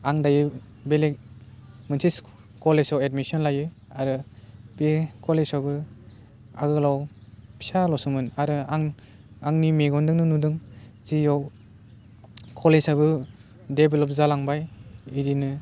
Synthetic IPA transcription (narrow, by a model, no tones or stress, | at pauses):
aŋdajɯ | belek̚ | mɯnsʰis | kɔlesawedmisɔnlajɯ | aɾɯpekʰɔlesawbɯ | a̰ɡɯlawpʰi̥salɔsumɯnaɾɯaŋ | aŋnimeɡɔndɯŋnɯnudɯŋzijaw | kʰɔlezajbɯ | debelɔp̚zalaŋbajidinɯ